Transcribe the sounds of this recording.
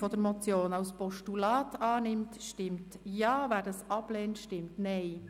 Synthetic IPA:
fɔd̥əɾmɔt͡sjoːnɑʊspɔʃtulɑːtʰɑːnɪmtʃtɪmtjɑːvæːdɑsɑb̥lɛːntʃtɪmtnɛɪ

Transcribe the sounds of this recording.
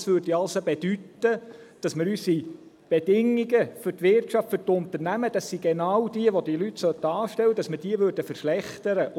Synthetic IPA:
sʋøɾdiɑlsobed̥ytəd̥ɑsməɾysi | b̥edɪŋːiɡəfʏɾtʋɪrtʃɑftfʏɾt̪ʊnt̪əɾnæməd̥̪ɑsːiɡenɑwd̥̪iəʋod̪ilytsœtɑːʃtɛlwːəd̥ɑsməd̥iəʋøɾd̥əfəɾʃlɛχt̪əɾəʔ

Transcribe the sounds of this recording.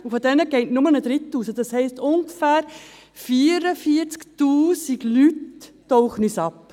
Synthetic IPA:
ufodɛnəɡ̥ɛɪtnʊmənəd̥̪ɾɪt̪ːuːsəd̥ɑshɛɪstʊŋɡəfæːɾ | fiːɾəfiːəɾt͡sktuːsiɡlytː | ɔʊχənysɑp

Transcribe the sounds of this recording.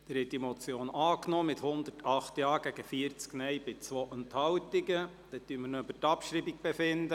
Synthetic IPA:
d̥ɛɾhɛt̚d̥imɔt͡sjoːnɑːknɔːmɪt̪hʊnd̪ərtʰɑχt̪jɑːɡ̥æɡəfiəɾt͡sknɛɪjbɪt͡sʋɔʔənt̪hɑwt̪iɡə | d̥ɛt̪̚d̥yəmənoøbətɑpʃɾibik̚b̥ɛfɪnd̪ə

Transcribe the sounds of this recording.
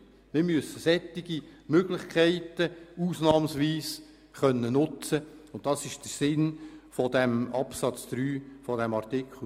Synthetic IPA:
mɪɾmyəsəsɛt̪ːɪɡ̥imøɡlɪχkʰɛɪtəuːsnɑːmsʋiːs | χœnːənʊt͡səʊnt̚d̥ɑsɪʃd̥əɾsɪnfɔd̥̪æmɑpsɑt͡sd̪̥ɾyːfɔdɛmɑrtɪkʰl̩

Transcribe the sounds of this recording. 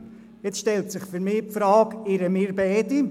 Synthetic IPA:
jet͡sʃtɛltsɪχfyɾmɪːpfɾɑːɡɪɾəmɪɾbɛːdi

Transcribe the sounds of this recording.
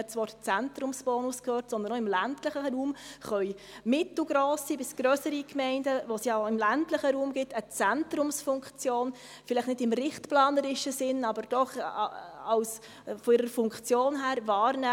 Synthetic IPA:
ɛt͡svɑːɾt͡sæntɾʊmsb̥ɔːnuskhøːɾtsɔndənɔɪmlæntləχəɾuːmχœʏ | mɪtl̩ɡɾoːsibɪsɡ̥ɾœsəɾikmɛɪndəʋosjɑɪmlæntləχəɾuːmɡɪtət͡sɛntɾʊmsfʊŋkt͡sjoːn | fɪlɛtnɪdɪmɾɪχtplɑːnəɾɪʃəsɪnɑbəɾd̥ɔχ | ɑʊs | fɔɪːɾəɾfʊŋkt͡sjoːnɦæːɾvɑːɾnɛ

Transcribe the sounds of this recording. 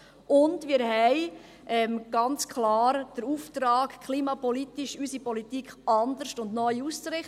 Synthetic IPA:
ʔʊndmɪːɾɦɛɪ | ʔɛmɡ̥ɑnt͡skʰχlɑːɾd̥əɾuft̪ɾɑːkkʰχliːmɑpɔlitiʃysipɔlitikʰɑnd̪əɾʃtʊndnœʏust͡sɾɪχ

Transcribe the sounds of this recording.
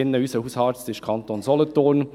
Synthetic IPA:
ɪnːəysəhuːshɑːt͡stɪʃkʰɑnt̪onsɔlətoːn

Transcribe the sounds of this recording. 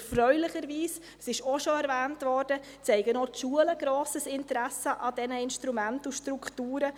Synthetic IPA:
ɛfɾœʏlɪχəɾviːs | sɪʃoʃoɛɾvɛːntvɔɾd̥ə | t͡sɛɪɡənotʃuːələɡ̥ɾoːsəsɪntəɾæsəʔɑdɛnəɪnʃtɾumæntuʃtɾukʰtuːɾə

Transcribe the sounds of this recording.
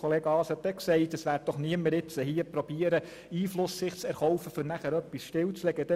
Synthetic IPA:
oleːɡɑːshɑtdɛksɛɪtəsʋæːɾt̚d̥ɔχniəmːəɾɪt͡səhiːəpɾɔb̥iəɾə | iːflʊsːɪχt͡sɛɾχɔwfəfɵɾnæχæɾœpːisʃtɪlt͡slɛɡəd̥ɛ

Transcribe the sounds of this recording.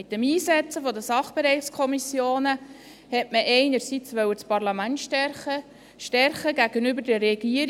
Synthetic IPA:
ɪt̚ːəmiːsɛt͡səfɔd̪əsɑχb̥ɛɾɛɪχskʰɔmisjoːnə | hɛtməʔɛɪnəɾsit͡sʋœwət͡spɑɾlɑmæntʃtɛɾχə | ʃtɛɾχəɡæɡ̥ənybəɾdəɾɛɡ̥iəɾ

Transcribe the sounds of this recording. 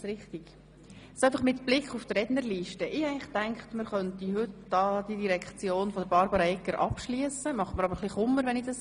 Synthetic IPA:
sɾɪχt̪iɡ̥ | sæɪfɑχmɪtb̥lɪkχufd̥rɾɛdnəɾliːʃtəʔɪæɡŋlɪχtæŋkχtməɾχœntiɦɵtd̥ɑːd̥idiɾɛkt͡sjoːnfɔdəɾbɑɾbəɾɑɛkːəɾʔɑ̰pʃliəsəmɑχməɾɑbəɾχliχʊmːəɾʋɛnid̥ɑs

